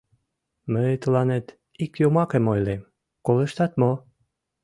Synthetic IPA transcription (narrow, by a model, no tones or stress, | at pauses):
mət̪əlɑnet̪ | ikjomɑkemojlem | koleʃt̪ɑt̪mo